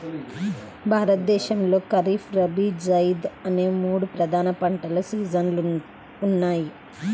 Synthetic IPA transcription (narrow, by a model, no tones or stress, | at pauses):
bʱaːɾɐt̪̚d̪ɛːʃɐmlo̞ːkɐɾiːfɾɐbid͡ʒɐjid̪ɐne̞ːmuːɽupɾɐd̪ʱaːnɐpɐɳʈɐlusiːd͡ʒɐn | unːaːji